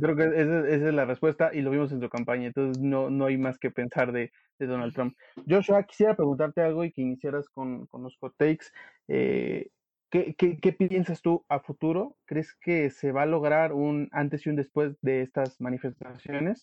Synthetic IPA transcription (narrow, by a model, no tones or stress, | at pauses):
kɾe̞okeesesesesezlarespwe̞st̪aʔilo̞β̞imo̞s̬e̞nsukampaɲaent̪o̞nsesno̞noajmaske̞pe̞nsaɾðe̞ | ðe̞ðo̞nalt̪ɾomp̚ | ɟ͡ʝo̞ʃaki̥sje̞ɾapɾe̞ɣunt̪aɾt̪e̞alɣo̞ike̞inisjeɾasko̞nko̞nloskot̪ejks | ḛ | kekeke̞pjensast̪uafut̪uɾo̞kɾe̞skese̞βalo̞ɣ̞ɾaɾunant̪e̞siund̪e̞spwe̞zðe̞est̪azmãnife̞st̪asjo̞ne̞s